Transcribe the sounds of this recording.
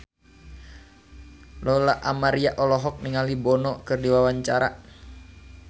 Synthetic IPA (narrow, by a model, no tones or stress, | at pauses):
lɔlaʔamaɾiaʔɔlɔɦɔk̚niŋalibɔnɔkɨrdiwawaɲt͡ʃaɾa